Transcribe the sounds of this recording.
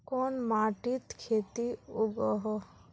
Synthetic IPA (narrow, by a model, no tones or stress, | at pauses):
koːnmaːʈit̪kʰeːt̪iʊɡɔɦɔ